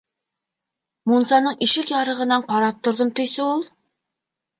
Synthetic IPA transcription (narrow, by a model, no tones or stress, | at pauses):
munsɑnɤɴʔiʃɘkjɑɾɤ̆ʁɤ̆nɑɴqɑɾɑp̚t̪ŏɾðɤmt̪ɵ̆jsɘulˠ